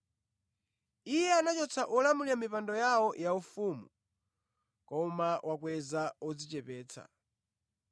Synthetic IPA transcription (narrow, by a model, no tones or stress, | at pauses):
ijɛanat͡ʃɔt͡sʰaʔɔlamuliamipandɔjawɔjaufumṵ | kɔmawʔakwɛzaɔd͡zit͡ʃɛpɛːt͡sʰa̰